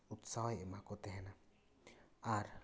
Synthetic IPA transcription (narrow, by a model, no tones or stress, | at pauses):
ut̪saɦɔjɛmakɔt̪ɛɦɛna | aɾ